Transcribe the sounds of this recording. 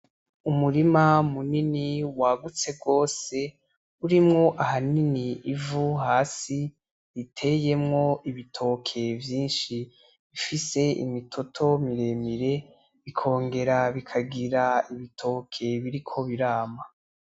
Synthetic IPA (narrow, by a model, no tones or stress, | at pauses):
umuɾimamuniniwaɡut͡se̞ɡɡo̞ːse̞ | uɾimŋo̞ʔahaniniivuɦaːsi | itʰe̞je̞mŋo̞ʔiβitʰo̞kʰe̞vjiːnʃi | βifise̞ḭmitʰo̞tʰo̞miɾe̞miɾe̞ | βikʰo̞ːŋɡe̞ɾaβikʰaɡiɾaiβitʰo̞kʰe̞βiɾikʰo̞βiɾaːma